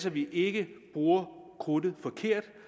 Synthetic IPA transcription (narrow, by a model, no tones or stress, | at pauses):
sɒʋiʔe̝ɡ̥əb̥ʁuːɐkʰʁoːdð̩ˠfɒ̽kʰe̝ɐ̰d̥